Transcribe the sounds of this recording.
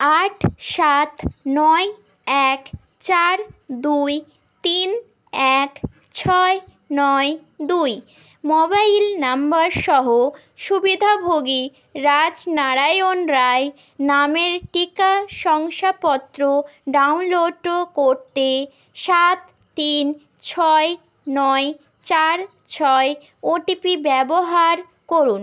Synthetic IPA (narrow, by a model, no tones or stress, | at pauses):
aʈʰʃat̪nɔe | ɛk | t͡ɕaɾd̪uj | t̪in | ɛk | t͡ɕʰɔe | nɔe | d̪uj | mɔbailnambaɾʃɔɦo | ʃubid̪ʱabʱoɡi | ɾad͡ʑnaɾajonɾae | nameɾʈikaʃɔŋʃapɔt̪ːɾoɖaunloɖokoɾt̪e | ʃat̪ːin | t͡ɕʰɔe | nɔe | t͡ɕaɾ | t͡ɕʰɔe | oʈipibɛboɦaɾ | koɾun